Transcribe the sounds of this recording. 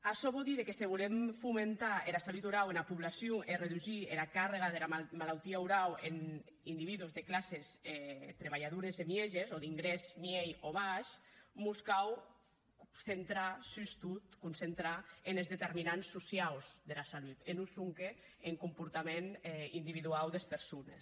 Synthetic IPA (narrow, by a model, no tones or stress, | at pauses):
aʃɔβɔlˠd̪iðekeseβulemfumẽnt̪aelasalut̪uɾawenapuβlasjoʔereðuʒielakareɣaðelamalalt̪iauɾawen | ind̪iβiðuzðeklasesɛt̪ɾeβ̞aʎaðuɾezemjeʒezoðiŋɡɾezmjejoβaʃmuskaw | sent̪ɾasyst̪ut̪kunsent̪ɾaenezðet̪eɾminansːusjawzðelasalut̪enusuŋkeː | ŋkumpuɾt̪amenind̪iβiðuawd̪espeɾsunes